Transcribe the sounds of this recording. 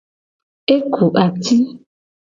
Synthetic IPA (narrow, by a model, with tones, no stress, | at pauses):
e˦kʰu˨ʔa˨t̪ʰi˦